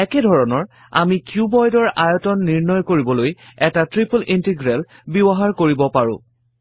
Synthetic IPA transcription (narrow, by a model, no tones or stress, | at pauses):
ɛkɛdʱɔɹɔnɔɹ | a̰mikjubɔjdɔɹajɔtɔnːiɹnɔjkoɹibɔlojɛtatɹipulintiɡɹɛl | bibɔɦaɹkoɹibɔpaɹʊ̰̃